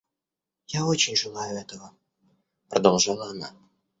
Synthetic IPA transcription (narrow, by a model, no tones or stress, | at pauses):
jaot͡ɕɪnʲʐɨlˠajʊɛt̪əvə | prd̪olˠʐɤnɑna